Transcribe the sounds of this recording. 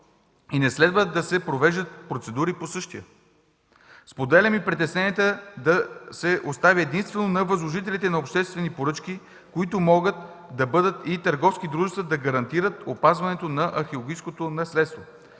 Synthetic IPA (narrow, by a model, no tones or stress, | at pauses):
inɛslɛd̪vəd̪ɐsɛpɾovɛʒd̪ət̪̚pɾot̪sɛd̪uɾiposɤʃt̪ijə | spod̪ɛlʲəmipɾit̪ɛsnɛniət̪əd̪ɐsɛʔost̪avʲiɛd̪inst̪vɛnonɐvɐzlˠoʒit̪ɛlit̪ɛnɐopʃt̪ɛst̪vɛnipoɾɤt͡ʃk̟i | koit̪ʊmɔɡət̪ | d̪ɐbɤd̪ət̪it̪əɾɡɔfsk̟id̪ɾuʒɛst̪vəd̪ɐɡɐɾɐnt̪iɾət̪opazvɐnɛt̪onɐʔɐxelˠoɡijskot̪onɐslɛt̪st̪vo